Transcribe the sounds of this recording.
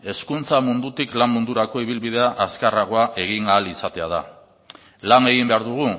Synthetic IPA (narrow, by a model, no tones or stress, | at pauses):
e̞skunt͡samund̪ut̪iklammund̪uɾako̞iβ̞ilβið̞e̞aʔaskaraɣ̞oaʔe̞ɣ̞iŋaːlisat̪e̞að̞a̰ | laŋe̞ɣ̞imbe̞aɾðuɣ̞u